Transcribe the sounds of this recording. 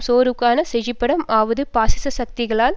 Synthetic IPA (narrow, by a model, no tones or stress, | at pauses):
soːɾɯkːaːnɐsɛɻɪpːɐɽɐmaːʋɐðɯpaːsɪsɐsɐk̚t̪ɪɣɐɭaːl